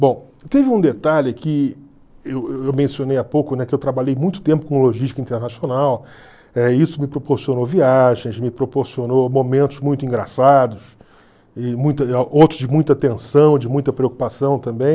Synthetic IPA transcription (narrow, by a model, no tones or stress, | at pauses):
bõw̃ | t̪evɪũd̪et̪aʎɪakʰɪ | eweewmẽsionejapowkʊnɛkɪewt̪ɾabaʎejmũj̃t̪ʊ̥t̪ẽmpʊ̥kõloʒiʃt͡ʃikɐĩnt̪eɾnasionaw | ɛisʊmɪpɾopoɾsionoviaʒẽj̃smɪpɾopoɾsionomõmẽnt̪ʊzmũj̃t̪ʊĩɡɾasad̪ʊs | ɪmũj̃t̪ɐowt̪ɾʊzd͡ʒɪmũj̃t̪ɐat̪ẽsɐ̃w̃d͡ʒɪmũj̃t̪ɐpɾeoku̥pasɐ̃w̃t̪ɐ̃mbẽj̃